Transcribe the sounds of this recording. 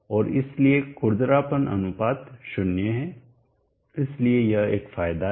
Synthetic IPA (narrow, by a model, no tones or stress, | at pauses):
ɔːɾɪ̰sliekːʊɾd̪ɾaːpənʔɐ̰nʊpaːt̪ʃʊnjəɦɛ̃ | ɪsliejɐeːkfaːjd̪a